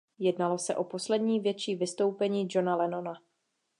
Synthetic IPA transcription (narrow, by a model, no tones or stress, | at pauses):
jɛdnalo̞sɛʔo̞po̞slɛdɲiːvjɛt͡ʃiːvɪst̪o̞wpɛɲiːd͡ʒo̞nalɛno̞na